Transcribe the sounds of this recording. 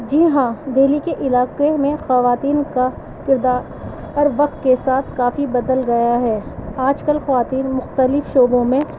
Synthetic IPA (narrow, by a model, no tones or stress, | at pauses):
d͡ʒiɦãd̪ʱeːlikeʔɪlaːkemẽxɐʋaːt̪iːnka | kɪɾd̪aːɾ | ɐɾʋɐk̚t̪kesaːt̪ʰkaːfibɐd̪əlɡɐjaɦɛːaːd͡ʒkəlxɐʋaːt̪iːnmʊxt̪əlɪfʃoːbõmẽ